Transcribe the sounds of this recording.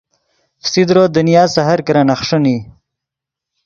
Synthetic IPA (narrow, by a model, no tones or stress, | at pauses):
fsid̪ɾod̪ənijɑːzsaɦaɾkɾanaχʂuni